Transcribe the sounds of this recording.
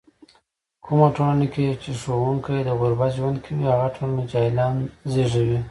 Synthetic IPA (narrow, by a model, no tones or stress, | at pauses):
kʰumaʈolaneket͡ʃeʂowuŋkajd̪əɣʊɾbat̪ʒwand̪kʰawihaɣaʈʰolaned͡ʒɑjlɑnzeʐawi